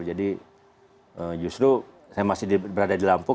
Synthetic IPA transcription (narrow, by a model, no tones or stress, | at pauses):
d͡ʒadi | əd͡ʒust̪ɾu | sajamasɪdibəɾadadilampʊ